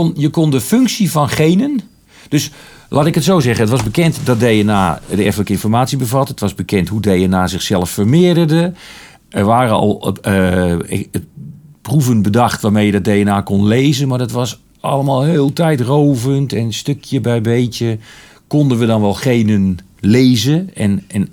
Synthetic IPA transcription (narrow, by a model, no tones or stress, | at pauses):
njəkondəfʏŋksivɔnχejnən | d̥øs | lʔaːtɪkətsowzɛχənətʋɑzbəkɛntdɔt̚dejəna̰ːdəɛfənləkəɪnfɔrmaːtsibəvɑtətʋɑzbəkɛnthɦudejənaːzɪxsɛlˠəfːərmɪədərdə | ɛrʋaːrəɔ̰lˠə | pruvənbədaxtʋaːmejədɔt̚dejənaːkonleːzənmaɹdɔtʋɑs | ʔɑ̰ləmaːlˠhɪːlˠtɛjtrowvəntɛnstøkʰjəbɛjbejtjə | kondənʋədɔnʋɛlˠxeːnənlezəɛnɛn